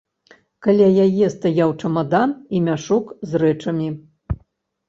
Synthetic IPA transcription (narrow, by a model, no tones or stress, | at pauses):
kalʲajajɛst̪ajawt͡ʂɐmad̪animʲaʂukzrɛt͡ʂɐmʲi